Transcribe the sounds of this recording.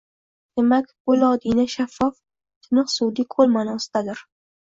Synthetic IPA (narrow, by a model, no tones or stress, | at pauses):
d̪̥emakʲbʊlɒd̪inaʃafːɒf | t̪ʰɪnɨqsud̪ikʰolˠmanɒsɪd̪ad̪ɪɾ